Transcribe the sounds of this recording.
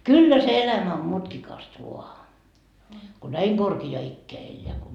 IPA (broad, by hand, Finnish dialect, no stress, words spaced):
kylːæ se elæmæ om mutkikɑst ʋuɑ ko næi korkiɑː ikːeæ elːeæ ko